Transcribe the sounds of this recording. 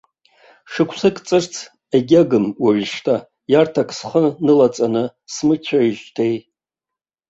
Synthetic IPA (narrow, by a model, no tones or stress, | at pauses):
ʂɨkʷʰsɨkʼt͡sʼɨrt͡sʰ | eɡʲaɡɨmwaʕʂtʰa | jartʰakʰʼsχənɨlat͡sʼanɨsmɨt͡ʃʷʰaiʒtʰej